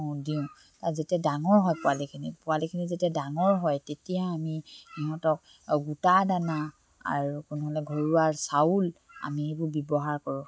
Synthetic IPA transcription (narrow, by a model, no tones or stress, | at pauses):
diʊ̃ | tazetijadaŋɔɹɦɔjpʊwalikʰinipʊalikʰinizetiadaŋɔɹɦɔjtetijaːmiiɦɔ̃tɔk̚ | ɡutadana | a̰ɹukʊnɔɦɔlɛɡʱɔɹuaɹsaula̰miebʊɹbɔbɔɦaɹkɔɹʊ̃